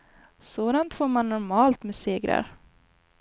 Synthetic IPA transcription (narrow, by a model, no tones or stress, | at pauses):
soːd̪ant̪foːɾmanːɔɾmɑːlt̪meːseːɡɾa̰ɾ